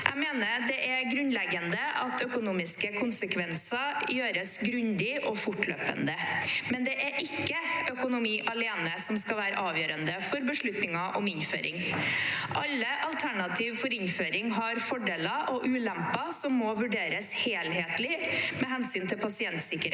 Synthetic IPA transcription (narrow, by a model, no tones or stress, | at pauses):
ʔæ̰ɪmeːnəd̪ɛʔæɾɡɾʉnlɛɡənd̪əʔɑt̪œkʊnuːmɪskəkʰʊnsəkʰʋɛnsɑjøːɾəsɡɾʉnd̪ɪʔɔfʊʈlø̰ːpə̰nd̪əmɛnd̪ɛʔæɾʔɪkːəœkʊnʊmiːʔɑleːnəsɔmskɑʋæːɾə̰ʔɑːʋjøːɾənd̪əfɔɾbəʂɭʉt̪nɪŋɑʔɔmɪnfø̰ːɾʔɪ̰ŋ | ʔɑlːəʔɑlt̪ʰæɳɑt̪ʰiːʋfɔɾɪnføːɾɪŋɦɑɾfɔɖeːləʔɔʔʉːlɛmpɑsɔmːɔʋʉɖeːɾəsheːlɦeːt̪lɪmɛɦɛnsyːnt̪ʰɪlpʰɑsɪɛnt̪sɪkːəɾḛ